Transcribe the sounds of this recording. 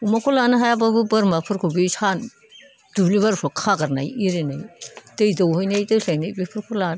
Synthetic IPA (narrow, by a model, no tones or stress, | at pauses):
umakʰulanɯɦajababɯbɯɾmapʰɯɾkʰubejsʰan | d̥ublibaɾpʰɔkʰaɡaɾnajiɾenajdɯjdawhojnajdɯjɬajnajbipʰɯɾkʰula